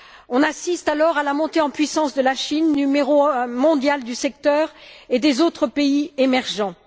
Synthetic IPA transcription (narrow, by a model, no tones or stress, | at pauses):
ɔ̃nasist̪alɔʁalamɔ̃t̪eɑ̃pɥisɑ̃sd̪əlaʃinːymeʁomɔ̃d̪jald̪ysɛk̚t̪œːʁed̪ezot̪χəpeiemɛʁʒɑ̃